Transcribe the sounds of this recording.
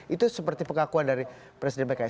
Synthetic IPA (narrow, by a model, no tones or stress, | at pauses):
it̪usəpərt̪ipəŋakuandaɾi | pɾesidɛnbəka